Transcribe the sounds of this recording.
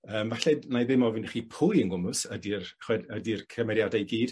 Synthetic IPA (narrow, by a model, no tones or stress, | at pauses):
əːmvaɬɛdnajðɪmɔvɪnχipʰʊjənɡʊmʊsədirχwɛdədirkʰəmɛɾjadajɡiːd̥